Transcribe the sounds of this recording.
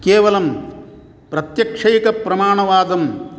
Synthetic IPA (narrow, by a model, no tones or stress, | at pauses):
keːʋɐlɐm | pɾɐt̪jɐkʂɐjkɐpɾɐmaːɳɐʋaːd̪ɐm